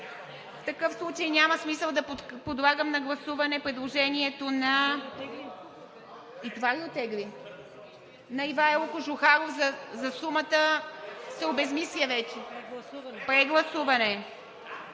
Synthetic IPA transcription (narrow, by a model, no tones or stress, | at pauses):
ft̪ɐkɤfslˠut͡ʃɐjnʲaməsmisəlˠd̪ɐp̪pod̪lˠaɡəmnɐɡlˠɐsuvɐnɛpɾɛd̪lˠoʒɛniɛt̪onɐ | it̪ovaɡʲiot̪ɛɡli | nɐivaɛlˠkʊʒʊxaɾofzɐzɐsumət̪əsɛobɛzmisliəvɛt͡ʃɛ | pɾɛɡlˠɐsuvɐnɛ